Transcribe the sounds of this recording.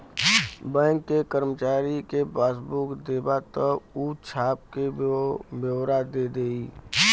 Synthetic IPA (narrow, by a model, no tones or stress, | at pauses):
bɛ̃ːŋkːekəɾmət͡ʃaːɾikebaːsbukd̪eːbat̪əuːt͡ʃʰaːp̚kebjəwɾad̪ed̪eːiː